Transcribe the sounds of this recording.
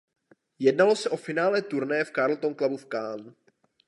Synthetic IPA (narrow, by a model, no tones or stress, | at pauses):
jɛdnalo̞sɛʔo̞fɪnaːlɛt̪uɾnɛjɛfkaɾl̩t̪onklabufkaːm